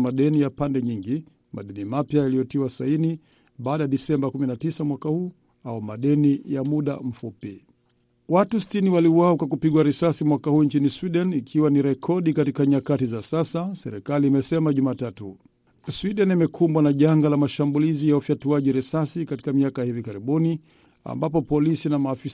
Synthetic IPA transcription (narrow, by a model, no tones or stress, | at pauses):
maɗɛnijapandɛɲiŋɡi | ma̰ɗɛnimapjajalijɔtiwasaini | ɓaːɗajaɗisɛmbakuminatisamwakahuː | aɔmaɗɛnijamuɗa̰m̩fupi | watusi̥tiniwaliuwaɔkwakupiɠwaɾɛsasimwakahuːɲt͡ʃiniswiɗɛnikʰiwaniɾɛkʰɔɗikatikaɲakatizasasasɛ̰ɾikaliːmɛsɛmaʄumaːtatu | swiɗɛnimɛkʰumbwanaʄaŋɡalamaʃambulizijaufjatuaʄiɾɛsasikati̥kamiakajahivikaɾiɓuni | a̰mbapɔpɔlisinamaːfi